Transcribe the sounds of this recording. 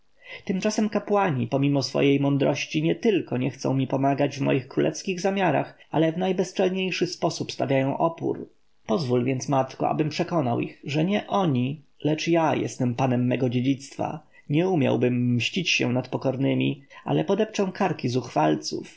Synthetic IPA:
t̪ɘmt͡ʂasɛmkapwaɲipɔmʲimɔsfɔ̰jejmɔnd̪ɾɔɕt͡ɕiɲɛt̪ɘlkɔɲɛxt̪sɔ̰̃w̃mʲipɔmaɡad͡ʑvmɔ̰jixkɾulʔɛ̰fskʲiɣzamʲjaɾa̰xa̰lɛvnajbɛst͡ʂɛlɲejʂɘspɔsupst̪avʲjajɔ̃w̃ʔɔpṵɾ | pɔzvulvʲjɛnt̪smat̪kɔ̰a̰bɘmpʂɛkɔna̰wʔixʐɛɲɛʔɔɲi | lɛt͡ʂjajɛ̰st̪ɛmpanɛmːɛɡɔd͡ʑed͡ʑit̪st̪fa̰ | ɲɛumʲja̰wbɘmːɕt͡ɕit͡ɕɕɛ̰nat̪pɔkɔɾnɘmʲḭa̰lɛpɔd̪ɛp̚t͡ʂɔ̃w̃kaɾkʲizuxfalt̪sṵf

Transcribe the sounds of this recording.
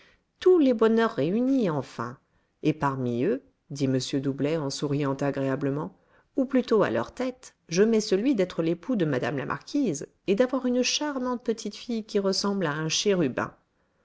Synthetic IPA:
t̪ulebɔnœʁːeyniɑ̃fɛ̰̃ | epaʁmiø | d̪iməsjød̪ublɛɑ̃suʁijɑ̃t̪aɡʁeabləmɑ̃ | uplyt̪oa̰lœ̰ʁt̪ɛt̪ | ʒəmɛsəlɥid̪ɛt̪χəlepʰud̪əmad̪a̰mla̰mʔa̰ʁkʲʰiz | ed̪avwaʁynʃaʁmɑ̃t̪̚pət̪ʰit̪fijkʲiʁəsɑ̃blaɛ̃ʃɛʁybɛ̰̃

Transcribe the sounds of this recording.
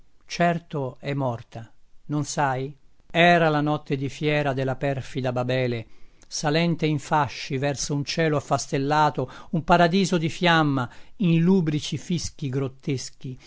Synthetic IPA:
t͡ʃɛrt̪oɛmːɔrt̪anonsajɛːɾalanɔt̪ːed̪ifjɛːɾad̪elːapɛrfid̪ababɛːlesalɛnt̪eiɱfaʃːivɛrsount͡ʃɛːloafːast̪elːaːt̪oumpaɾad̪iːzod̪ifjamːainluːbɾit͡ʃifisk̟iɡɾot̪ːesk̟i

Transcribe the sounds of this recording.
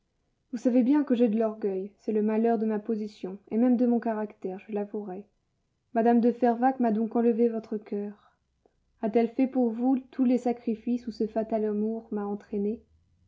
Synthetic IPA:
vusavebjɛ̃kəʒed̪əlɔʁɡʲœjsɛləmalœʁd̪əmapozisjɔ̃emɛmd̪əmɔ̃kaʁakt̪ɛʁʒəlavuʁɛ | mad̪amd̪əfɛʁvakmad̪ɔ̃kɑ̃ləvevɔt̪χəkʲʰœːʁ | at̪ɛlfɛpuʁvut̪ʰulesakχifisusəfat̪alamuʁmaɑ̃t̪χene

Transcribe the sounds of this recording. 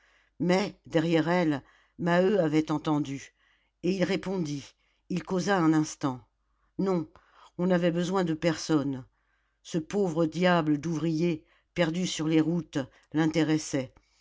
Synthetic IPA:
mɛd̪ɛʁjɛʁɛl | maøavɛt̪ɑ̃t̪ɑ̃d̪y | eilʁepɔ̃d̪iː | lkozaɛ̃nɛ̃st̪ɑ̃ | nɔ̃ | ɔ̃navɛbəzwɛ̃d̪əpɛʁsɔn | səpovʁəd̪jabləd̪uvʁije | pɛʁd̪ysyʁleʁut̪ | lɛ̃t̪eʁɛsɛ

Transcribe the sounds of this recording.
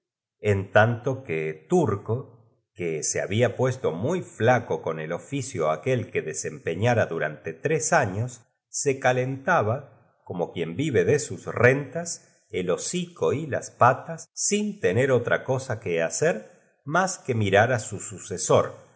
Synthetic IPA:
ent̪ant̪o̞ket̪uɾko̞ | kesea̰βiapwe̞st̪o̞mujflako̞ko̞ne̞lo̞fisjoakelkeðese̞mpeɲaɾaðuɾa̰nt̪e̞t̪ɾesaɲosː | ekalent̪aβa | ko̞mo̞kje̞mbiβe̞ðesusrent̪as | elo̞siko̞ila̰spat̪asːint̪eneɾo̞t̪ɾʔa̰ko̞sakeaseɾ | maskemiɾaɾasususeso̞ɾ

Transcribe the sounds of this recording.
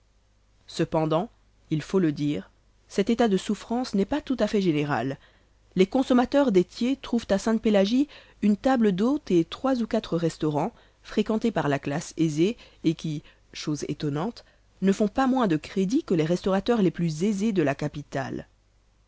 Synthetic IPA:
səpɑ̃d̪ɑ̃ | ilfoləd̪iːʁ | sɛt̪et̪ad̪əsufχɑ̃snɛpat̪ut̪afɛʒeneʁa̰lː | ekɔ̃sɔmat̪œʁd̪et̪jet̪χuvt̪asɛ̃t̪̚pelaʒi | ynt̪abləd̪ot̪et̪χwazukat̪χəʁɛst̪ɔʁɑ̃ | fχekɑ̃t̪epaʁlaklaseze | ekʲi | ʃozḛt̪ɔnɑ̃t̪ | nəfɔ̃pamwɛ̃d̪əkχed̪ikəleʁɛst̪ɔʁat̪œʁleplyzezed̪əlakapit̪a̰l

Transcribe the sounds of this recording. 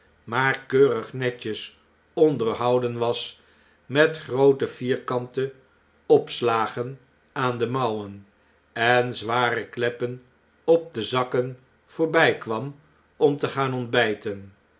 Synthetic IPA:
maːɹkøːrəχnɛcəs | ɔndəɹɦɑwdənʋɑs | mɛtχrowtəv̥iːɹkɑntə | ɔpslaːχən | aːndəmɑwən | ɛnzʋaːrəklɛpən | ɔp̚dəzɑkən | v̥oːɹbɛjkʋɑm | ɔmtəχaːnɔndbɛjtən

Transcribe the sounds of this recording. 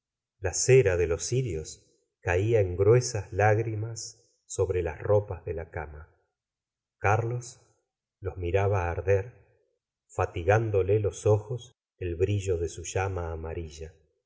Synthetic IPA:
laseɾaðe̞lo̞siɾjos | kaiaeŋɡɾwe̞sazlaɣɾimasː | o̞βɾelasropazðelakama | kaɾlos | lo̞zmiɾaβaːɾðeɾ | fat̪iɣand̪o̞lelo̞soxos | elβɾiʒo̞ðesuʒamaːmaɾiʒa

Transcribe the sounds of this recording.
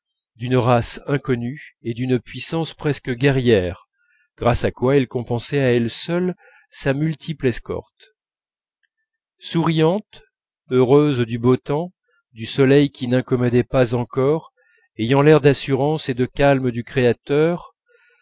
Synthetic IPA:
d̪ynʁasɛ̃kɔnyed̪ynpɥisɑ̃spχɛskəɡʲɛʁjɛʁ | ɡ̥ʁasakwaɛlkɔ̃pɑ̃sɛaɛlsœl | samylt̪ʰiplɛskɔ̰ʁt̪ | suʁijɑ̃t̪ | øʁøzd̪ybot̪ɑ̃ | d̪ysɔlɛjkʲinɛ̃kɔmɔd̪ɛpazɑ̃kɔʁ | ejɑ̃lɛʁd̪asyʁɑ̃sed̪əkalməd̪ykχeat̪œʁ

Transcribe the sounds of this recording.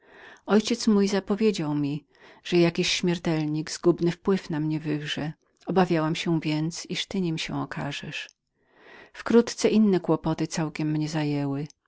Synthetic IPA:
ɔjt͡ɕɛt̪smujzapɔvʲjed͡ʑawmʲi | ʐ̥ɛjakʲiɕːmʲɛɾt̪ɛlɲiɡz̥ɡubnɘfpwɘfnamɲɛvɘɣʐɛ | ɔbavʲjawamɕɛvʲjɛnt̪siʂt̪ɘɲimɕɛ̰̃ɔkʰaʐɛʂ | fkɾut̪t̪sɛʔinːɛkwɔpɔt̪ɘt̪awkʲɛmːɲɛzajɛwɘ

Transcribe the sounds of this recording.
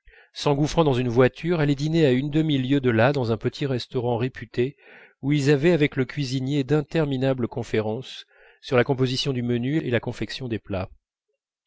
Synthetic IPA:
sɑ̃ɡufχɑ̃d̪ɑ̃zynvwat̪ʰyʁɛlɛd̪ineaynd̪əmiljød̪əlad̪ɑ̃zɛ̃pət̪ʰiʁɛst̪ɔʁɑ̃ʁepʰyt̪e | uilzavɛavɛkləkʲɥizinjed̪ɛ̃t̪ɛʁminabləkɔ̃feʁɑ̃sː | yʁlakɔ̃p̬ozisjɔ̃d̪ymənyeelakɔ̃fɛksjɔ̃d̪epla

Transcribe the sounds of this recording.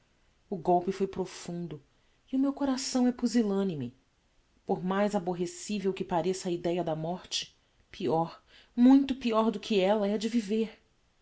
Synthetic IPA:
ʊɡowpɪfojpɾofũnd̪ʊ | iʊmewkoɾasɐ̃w̃ɛpuzilɐ̃nimɪ | poɾmajzaboɦesivewkɪpaɾesɐid̪ɛjɐd̪ɐmɔɾt͡ʃɪ̥ | pʰiɔɾ | mũj̃t̪ʊpiɔɾd̪ʊkʰɪɛlɐɛd͡ʒɪviveɾ

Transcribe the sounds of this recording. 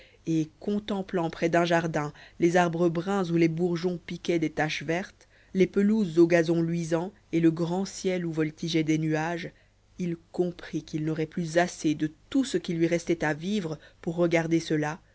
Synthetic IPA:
ekɔ̃t̪ɑ̃plɑ̃pχɛd̪ɛ̃ʒaʁd̪ɛ̃lezaʁbʁəbʁɛ̃zulebuʁʒɔ̃pikʲɛd̪et̪aʃvɛʁt̪ | lepəluzːoɡazɔ̃lɥizɑ̃ | eləɡʁɑ̃sjɛluvɔlt̪iʒɛd̪enyaʒ | ilkɔ̃pχikilnɔʁɛplyzased̪ət̪usəkʲilɥiʁɛst̪ɛt̪avivʁəpuʁːəɡaʁd̪esəla

